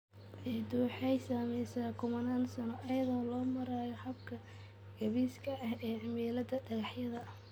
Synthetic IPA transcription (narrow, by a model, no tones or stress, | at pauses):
ʔɛd̪uːħɛjsaːmɛjsaːkʰʊmɐnaːnsɐnɔʔɐjɐðɔːlɔːmɐɾaːjɔħɐbkʰɐ | ɡ̥ɐβiːskʰɐʔɐhɛːʕɪmiːlɐd̪ɐɖɐɣɑħjɐðɐ